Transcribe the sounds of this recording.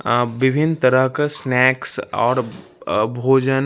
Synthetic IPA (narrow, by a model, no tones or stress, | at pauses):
ʋɪbʱɪnt̪əɾəɦkasnɛːksɔ̰ːɾ | bʱoːd͡ʒən